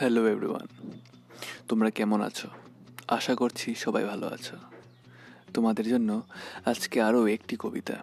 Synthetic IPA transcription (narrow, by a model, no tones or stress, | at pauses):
hɛloebɾḭwa̰n | t̪omɾakɛmona̰t͡ɕʰo | a̰ʃakoɾt͡ɕʰiʃɔbajbʱalo̰a̰t͡ɕʰo | t̪omad̪eɾd͡ʑonːoad͡ʑkeaɾoek̚ʈikobḭt̪a̰